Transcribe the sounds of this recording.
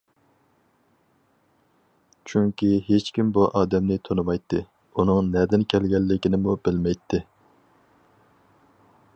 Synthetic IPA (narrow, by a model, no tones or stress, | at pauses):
t͡ʃʰyŋkʲiɦet͡ʃkʲimbuʔɑːd̪ɛmnɪt̪ʰonɨmɑjt̪ʰːɨ | unɨŋnɛd̪ɪnkʲʰɛlɡʲɛlːɪkʲinɪmubɪlmɛjt̪ʰːɪ